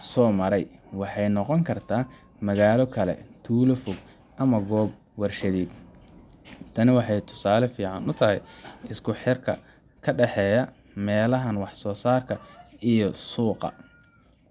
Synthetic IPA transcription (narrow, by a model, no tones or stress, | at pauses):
sɔːmɐɾɛjwɑħɑjnɔqɔŋkʰɐrt̪ʰaː | mɐɣaːlɔkʰɐlɛ̰t̪ʰuːlɔfʊɡ̚ | ʔɐmɐɡɔːb | wɐrʃɐðiːd̪ | t̪ʰɐnɪwɑħɑjt̪ʰʊ̥saːlɛfiːʕɑnʊt̪ʰɐɦɛjɪskʰʊħɪrkʰɐ | kʰɐɖɛħɛːjɐ | mɛːlɐɦɐnwɑħsɔːsaːrkʰɐʔijɔsuːqɑ̰